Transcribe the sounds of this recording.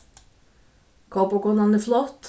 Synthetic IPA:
kʰɑːpokɔnɑnəflɑt̪

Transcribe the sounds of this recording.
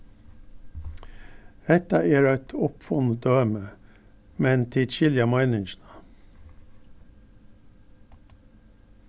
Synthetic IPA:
ɛt̪ɑeːɾɑɪt̪ʰʊpfɔnəd̪øːmə | mɛnt̪ʰiːd̪ʃɪljɑmɑɪnɪŋʃnə

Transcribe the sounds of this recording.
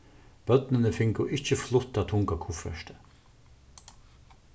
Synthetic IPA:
b̥œt̪nənəfɪŋkʊʔɪht͡ʃəflʊt̪ːat̪ʰʊŋkakʰufɾœ̰ʃt̪ə

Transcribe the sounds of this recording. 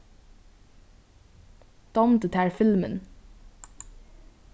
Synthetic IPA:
d̪̥ɑmd̪ət̪ʰæːɹfɪlmə̰n

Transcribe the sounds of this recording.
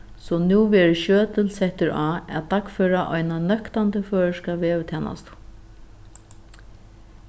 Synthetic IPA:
sɔnuːʋɛːɹɪʃøːt̪əlsɛht̪ɪɹaːæ̰t̪ʰakfœːɾaʔɔjnanœkt̪ant̪əføːɻəʂkaʋɛːɾɪt̪ʰɛːna̰st̪ʊ̥

